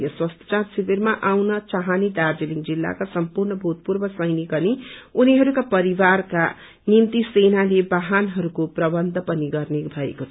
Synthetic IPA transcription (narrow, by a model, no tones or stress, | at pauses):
jʌswʌst̪ʰʌ̥t͡sarsibermaʔawnʌt͡saɦanid̪ard͡zeliŋd͡zilːa̰kasʌmpurnʌbʱut̪̚purbʌsʌjnikʌniuniɦʌɾukapʌɾiwarka̰ | nint̪isenalebaɦanɦʌɾukoprʌbʌnd̪ʱʌpʌniɡʌrnebʱʌḛkot͡sʰʌ